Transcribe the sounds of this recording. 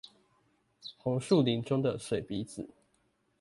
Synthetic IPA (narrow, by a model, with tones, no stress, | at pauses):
xʊ˧˦ŋʂu˥˨li˨˥nʈ͡ʂʊ˥˦ŋd̪ə˨swe˨˩ɪpi˨˥t͡s̩˨˦